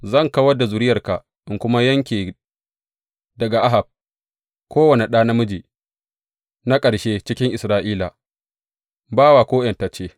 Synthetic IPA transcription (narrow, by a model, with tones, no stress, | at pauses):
zɐ˦˨ŋkɐ˦wɐ˦da˨zʊ˨ɾɪ˦jɐ˨rka˨ | ʔɪ˨ŋkʷʊ˦ma˦jɐ˦ŋkʲiː˨ | dɐ˨ɡa˨ʔa˦ɦa˨b̚ | kʷoː˦wɐ˨ne˨ɗaː˦na˦mʊ˦d͡ʒiː˨ | na˦kʼɐ˨ɽʃeː˦t͡ʃɪ˦kʲɪ˦ŋʔɪ˨sɾaː˦ʔiː˦la˨ | baː˦waː˨kʷoː˦jɛ˨nta˨t͡ʃeː˦